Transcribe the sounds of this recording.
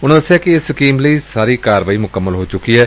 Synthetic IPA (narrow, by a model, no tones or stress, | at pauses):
ʊñəsaːkɪɪskiːmləiːsaːɾiːkaːɾʋaːiːmʊkəmːəlɦoːt͡ʃʊkiːɦɛː